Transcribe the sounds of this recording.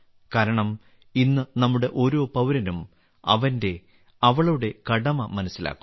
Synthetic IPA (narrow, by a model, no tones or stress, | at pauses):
kaːɾɐɳɐm | inːɨnɐmːuɽe̞ʔo̞ːɾo̞ːpɐwɾɐnum | ɐ̰ʋɐnde̞ | ɐʋɐɭɐjuɽe̞kɐɽɐmɐmɐnɐsːila̰ːkːu̥m